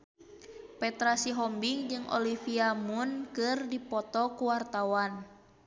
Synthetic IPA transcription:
pɛt̪ɾasiɦɔmbiŋd͡ʒɨŋʔɔ̰lifiamunkɨrdipɔt̪ɔkuwart̪awan

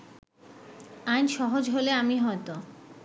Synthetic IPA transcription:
ajnʃɔɦod͡ʑɦoleamiɦɔet̪o

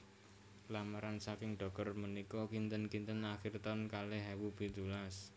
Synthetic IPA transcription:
lamaɾansakɪŋɖɔ̤k̚ərmənikɔkint̪ənkint̪ənaxɪrt̪aʊnkaleɦɛwub̥i̤d̪ulas

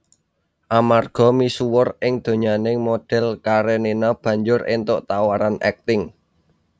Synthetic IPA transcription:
ʔamarɡ̥ɔ̤misuwʊrɪŋd̪̥o̤ɲanɪŋmoɖ̥ɛ̤lkaɾenenɔb̥ä̤ɲd͡ʒʊɾɪ̰nt̪ʊʔt̪awaɾanɛ̰k̚t̪ɪŋ

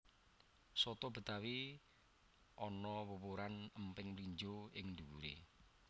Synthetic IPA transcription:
sɔt̪ɔb̥ə̤t̪awi | ʔɔnɔwəwoɾanəmpɪŋmliɲd͡ʒoɪŋd̪uwuɾḛ

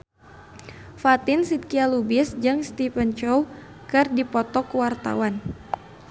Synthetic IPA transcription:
fat̪ɪnsit̪̚kialubɪsd͡ʒɨŋst̪ifənt͡ʃɔw | kɨrdipɔt̪ɔkwart̪a̰wan

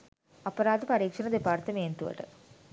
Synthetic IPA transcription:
ɐpːɐɾaːd̪ɨpɐɾiːkʂɐnɐd̪epaːɾt̪ɐmeːnt̪uʋɐ̰ʈɨ̰

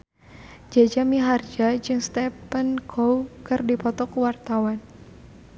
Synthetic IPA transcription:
d͡ʒad͡ʒamiɦard͡ʒad͡ʒɨŋst̪ɛpənkʰowkɨrdipɔt̪ɔkwart̪awan

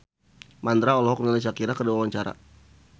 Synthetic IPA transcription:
mand̪ɾaɔlɔɦɔk̚nalas̬akiɾakəduawaɲt͡ʃaɾa̰

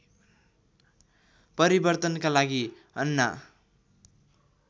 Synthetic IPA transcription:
pʌɾibʌrt̪ʌnkalaɡi | ʌnːa̰

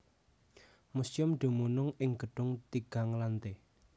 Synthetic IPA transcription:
musjʊmɖ̪̥o̤munʊŋɪŋɡ̥əɖ̥ʊŋt̪iɡ̥a̤ŋlant̪e

